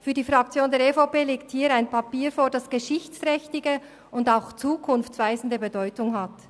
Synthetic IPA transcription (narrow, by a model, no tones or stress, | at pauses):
fyːɐdiːfʁɑk̚t͡sjoːndɛːɐɾefopeːleːk̚thiːɾaɪnpʰapiːɾfoːɐdɑsɡ̥əʃɪçt͡stʁɛçtɪɡə | ʊndaʊxt͡suːkʰʊnft͡sv̥aɪzn̩dəbədɔʏtʊŋɦat